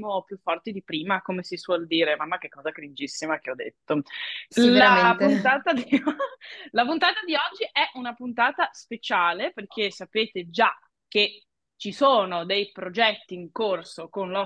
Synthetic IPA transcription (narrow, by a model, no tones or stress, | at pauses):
mopjufːɔrt̪id̪ipɾiːmakomesiswɔld̪iːɾemamːak̟ekːɔːzakɾind͡ʒisːimak̟eɔd̪ḛt̪ːo | lapunt̪aːt̪ad̪i | lapunt̪aːt̪ad̪iɔd͡ʒːiʔɛʔunapunt̪aːt̪aspet͡ʃaːleperk̟ʰesːapeːt̪ed͡ʒa | k̟e | t͡ʃisoːnod̪ejpɾod͡ʒɛt̪ːiːŋkorsokonlɔ